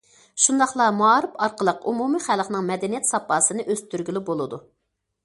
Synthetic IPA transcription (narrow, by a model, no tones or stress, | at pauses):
ʃund̪ɑχlˠɑmuɑːɾɨpɑɾqəlˠəqumumiχælχnɨŋmɛd̪ɛnijɛt̪sɑpːɑsɨnɨʔøz̥t̪ʰyɾɡʲilybolˠɨd̪u